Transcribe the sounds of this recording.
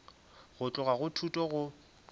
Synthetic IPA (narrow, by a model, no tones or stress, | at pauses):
ɣʊt͡ɬʼʊɣaɣʊtʰutʼɔɣʊ